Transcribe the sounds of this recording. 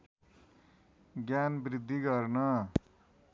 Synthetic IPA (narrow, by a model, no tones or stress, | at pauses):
ɡjanbɾid̪ʱːiɡʌrnʌ